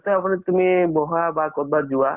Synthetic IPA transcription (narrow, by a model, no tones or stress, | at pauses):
t̪ɔapɔɽ̃et̪umebɔɦabakɔɾbad͡ʒua